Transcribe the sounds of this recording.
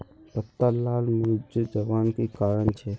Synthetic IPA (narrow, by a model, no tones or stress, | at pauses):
t̪ət̪ːalaːlmɾʊd͡ʒd͡ʒəʋaːnkekaːɾəɳt͡ʃʰe